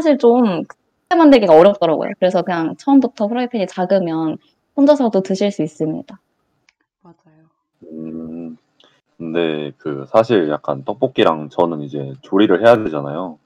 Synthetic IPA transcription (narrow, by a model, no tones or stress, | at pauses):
sʰaɕ̬ʰiɭt͡ɕomkɯ | emandeɭɡiɡaʌɾjʌp̚t͈ʌɾaɡo̰jo̰kɯɾe̞sʰʌkɯɲaŋt͡ɕʰʌʌmbutʰʌpʰɯɾʌipʰeɲit͡ɕaɡɯmjʌn | pʰond͡ʑʌsʰʌdotɯɕʰiɭs͈uis͈ɯmɲḭd̥a | mad͡ʑajo | ɯ | nne̞kɯsʰaɕʰiɭja̰k̚k͈a̰nt͈ʌk̚p͈ok̚k͈iɾaŋt͡ɕʌnɯnid͡ʑe̞t͡ɕoɾiɾɯɭhe̞jaded͡ʑanajo